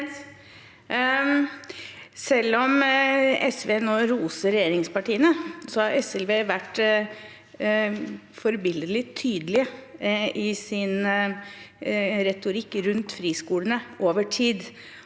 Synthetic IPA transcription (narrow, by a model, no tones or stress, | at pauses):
sɛlːɔm | ɛsʋeːnoːɾuːsəɾɛjeːɾɪŋspɑʈiːənəsɔhɑɾɛsɛlʋeːʋæʈ | fɔɾbɪld̪əlɪt̪ʰyːd̪əlɪəʔɪsɪn | ɾɛt̪ʊɾɪkːɾʉnt̪fɾiːskuːlənəʔoːʋəʈʰiːd̪